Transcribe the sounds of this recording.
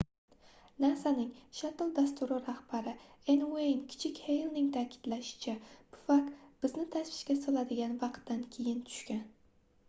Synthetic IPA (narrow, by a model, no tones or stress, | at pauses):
naɾsanɪŋʃat̪lˠd̪as̬t̪ʰʊɾoɾahb̥aɾɪenwenkʲʰɪ̥t͡ʃʰɪkʲhejlˠnɪŋt̪ʰaːkʲʰɪ̥d̪̥laʃɪ̥t͡ʃʰab̥ʊfakt̪b̥ɪznɪt̪ʰasvɪ̥ʃkʲasɒlad̪ɪɡʲanvɑqt̪ːankʲʰejɪnt̪ʰʊ̥ʃkʲan